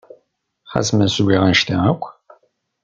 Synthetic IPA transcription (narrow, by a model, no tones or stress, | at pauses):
χæ̰smənsɡʷiʁənʃt̪æækʷː